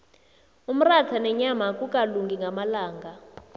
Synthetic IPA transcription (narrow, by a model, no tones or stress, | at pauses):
um̩ratʰanɛɲamakʼukʼaluŋɡʱiŋɡʱamalaːŋɡʱa